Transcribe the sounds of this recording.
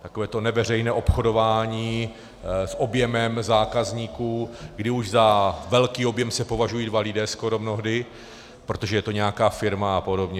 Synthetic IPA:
t̪ako̞vɛːt̪o̞nɛvɛr̝ɛjnɛːʔo̞pxo̞do̞vaːɲiː | sʔo̞bjɛmɛmzaːkazɲiːkuːɡdɪuʒzavɛlkiːo̞bjɛmsɛpo̞vaʒujiːdvalɪdɛːsko̞ɾo̞mno̞ɦdɪ | pɾot̪oʒɛjɛt̪o̞ɲɛjakaːfɪɾmaapo̞dobɲɛ

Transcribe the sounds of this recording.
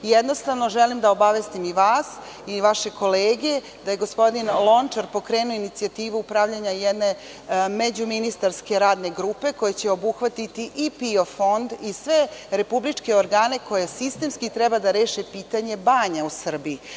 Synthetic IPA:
jed̪no̞st̪aʋno̞ʒelimd̪ao̞baʋest̪imiʋaːs | iʋaʃe̞ko̞leːɡe | d̪aje̞ɡo̞spo̞d̪inlˠo̞nt͡ʃaɾpo̞kɾeːnuoinit̪siat̪iːʋuupɾaʋʎaɲajed̪ne̞ | med͡ʑuminist̪aɾske̞ɾaːd̪ne̞ɡɾupe̞ko̞jet͡ɕeo̞buxʋat̪it̪iʔipio̞fo̞nd̪isʋe̞ɾe̞publit͡ʂke̞oɾɡaːne̞ko̞je̞sist̪e̞mskit̪ɾɛbad̪aɾe̞ːʃepiːt̪aɲe̞baːɲausr̩bii

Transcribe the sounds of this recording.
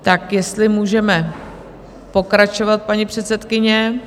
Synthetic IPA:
t̪akjɛst̪lɪmuːʒɛmɛ | po̞kɾat͡ʃo̞vat̪̚paɲipr̝̥ɛt̪sɛt̪kɪɲɛ

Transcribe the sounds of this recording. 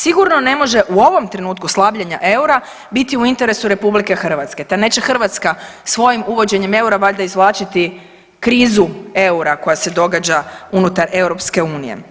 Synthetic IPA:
siɡuɾno̞ne̞mo̞ʒe̞ʔuo̞ʋo̞mt̪ɾe̞nuːt̪kuslˠaːbʎaɲa̰ʔe̞uɾa | bit̪iuint̪e̞ɾe̞suɾe̞publike̞xr̩ʋat̪ske̞t̪ane̞t͡ʃexr̩ʋat̪skasʋo̞jimuʋo̞d͡ʑe̞ɲeme̞uɾabaʎd̪aizʋlˠaːt͡ʃit̪i | kɾiːzue̞uɾako̞jase̞d̪o̞ɡad͡ʑaunut̪aɾe̞wɾo̞pske̞uːnije̞̰

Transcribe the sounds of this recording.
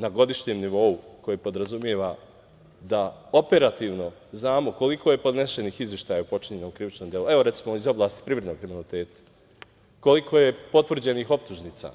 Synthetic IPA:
naɡo̞d̪iʃɲeːmniʋo̞uko̞jipo̞d̪ɾazumjeʋa | d̪aope̞ɾat̪iːʋno̞ | znaːmo̞ko̞likʰo̞je̞po̞d̪neʃe̞niːxizʋje̞ʃt̪aːjaupo̞t͡ʃiɲenoːmkɾiʋit͡ʃnomd̪je̞lue̞ʋoɾe̞t̪simo̞izo̞blˠaːst̪i̥pɾiʋɾed̪noɡkɾiminit̪eːt̪ḁ | ko̞likʰo̞jepo̞t̪ʋr̩d͡ʑe̞nixo̞p̚t̪uʒniːt̪sa̰ː

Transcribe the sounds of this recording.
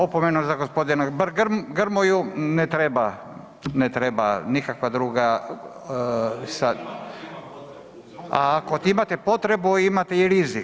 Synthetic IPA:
opomenuzaɡospo̞d̪inabɾɡɾmɡɾmojunɛt̪ɾeba | net̪ɾebanikakʋad̪ɾuːɡa | sa | aːkot̪imat̪epot̪ɾebuimat̪eiɾizik

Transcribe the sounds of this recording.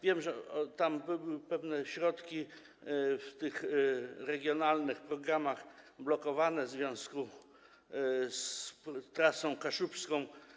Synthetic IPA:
vʲjɛmʐɛɔt̪ambɘbɘwɘpɛvnɛɕɾɔt̪kʲi | ft̪ɘxɾɛɡʲjɔnalnɘxpɾɔɡɾamaxblɔkɔvanɛvzvʲjɔ̃w̃sku | st̪ɾasɔ̃w̃kaʂupskɔ̃w̃

